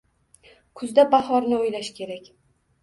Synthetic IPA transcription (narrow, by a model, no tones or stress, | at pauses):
kʰʊzd̪abahɒɾnɪojlaʃkʲʰe̞ɾakʲ